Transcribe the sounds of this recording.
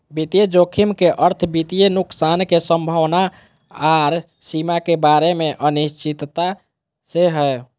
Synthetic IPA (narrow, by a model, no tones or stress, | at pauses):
bit̪ijed͡ʒokʰimkeʔəɾt̪ʰbit̪ijenuksankesəmbʱəʋna | aɾ | simakebaɾemeʔənist͡ʃit̪t̪a | seɦə